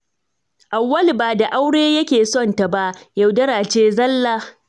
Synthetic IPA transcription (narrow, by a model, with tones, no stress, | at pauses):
ʔa˨wːɐ˦lbaː˨da˨ʔa˦wɽeː˦jɐ˦kʲeː˨sɔ˦˨nta˨ba˦ʔjɐ˨wdɐ˦ɾaː˨t͡ʃeː˦zɐ˦lːaː˦